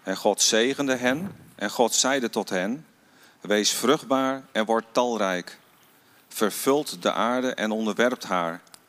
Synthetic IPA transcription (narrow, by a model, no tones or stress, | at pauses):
ɛnχɔtsejχəndəɦɛnʔɛnχɔtsɛjdətɔtɦɛn | ʋejsfrɵχd̚baːɹɛnʋɔɹtɑlˠrɛjk | fəɹv̥ɵlˠtdə̰ʔaːɹdəʔɛnɔndəɹʋɛɹp̚tɦaːɹ